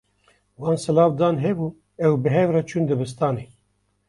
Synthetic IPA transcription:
wɑːnsɨlɑːvd̪ɑːnɦɛbuː | ɛwbɨɦɛvrɛt͡ʃʰund̪ɨbɨs̬t̪ɑːneː

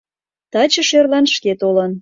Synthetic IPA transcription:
t̪ɑt͡ɕəʃerlɑnʃket̪olən

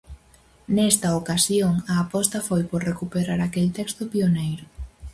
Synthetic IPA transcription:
nɛst̪ɐokasjoŋɐːpɔst̪ɐfojpoɾrekupeɾaɾakelt̪ɛkst̪ʊpionejɾʊ

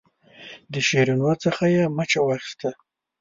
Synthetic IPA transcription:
d̪əʃeɾunwat͡səxajamət͡ʃawɑxi̥st̪a

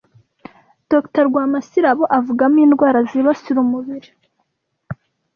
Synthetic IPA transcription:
d̥oktaɾɡwaːmasiɾaβoʔavuɡamiːndɡwaːɾaziβasiɾumuβiɾi

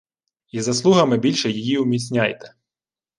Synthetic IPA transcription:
izɐslˠuɦɐmɪbʲilʲʃɛjɪjiʊmʲit͡sʲnʲajt̪ɛ̥

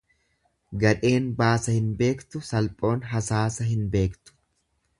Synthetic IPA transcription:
ɡɐᶑe̞ːnbaːsɐhɪnbe̞ːkt̪ʊsɐlpʼo̞ːnɦɐsaːsɐɦɪnbe̞ːkt̪ʊ̥

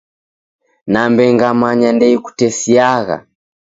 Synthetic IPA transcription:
nambɛŋɡamaɲandɛiku̥tɛsiaɣa̰

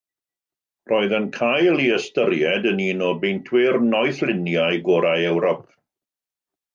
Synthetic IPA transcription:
rʔɔːɨðənkʰajlˠiəstəɾjɛdəniːnɔbejntʰwɪrnɔjθlˠɪnjajɡɔɾajɛwɾɔp̚ʰ

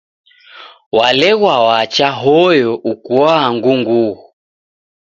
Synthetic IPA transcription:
walɛɣwawat͡ʃaɦɔjɔʔukuwaːŋɡuŋɡuɣ

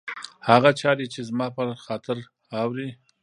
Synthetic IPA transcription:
haɣat͡ʃɑɾit͡ʃezmɑpəxɑt̪ɪɾ | awɾi

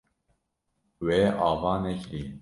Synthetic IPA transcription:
weʔɑːvɑːnɛkɾiː

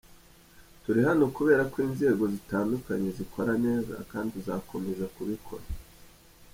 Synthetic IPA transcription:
tuɾiɦano̞kuβe̞ːɾakwiːnze̞ːɡo̞zitaːndukaɲe̞zikʰo̞ɾane̞ːza̰kaːndizakʰo̞me̞ʒakuβikʰo̞̰ɾa

